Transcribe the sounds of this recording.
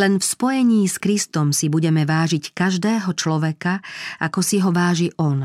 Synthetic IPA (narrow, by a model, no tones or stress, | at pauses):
lɛnfspɔjɛɲiːskɾist̪ɔmsibuɟɛmɛʋaːʒickaʒd̪ɛːɦɔt͡ʃlɔʋɛkaakɔsiɦɔʋaːʒiʔɔn